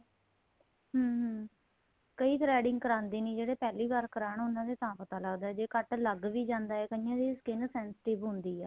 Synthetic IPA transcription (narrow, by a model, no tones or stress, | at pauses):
ɦəːɦə̃ | kəiːt̪ɾɛːɖɪ̃ŋɡ̚kəɾãːnd̪iːnĩːd͡ʒeːɽeːpɛːliːɡəɾkəɾaːɳʊnãːd̪eːt̪ãːpət̪aːləɡd̪aːɛːd͡ʒeːkəʈləɡʋiːd͡ʒãːnd̪aːɛːkəɪjãːd̪iːskɪnsɛ̃ːnst̪eːboɦʊnd̪iːɛː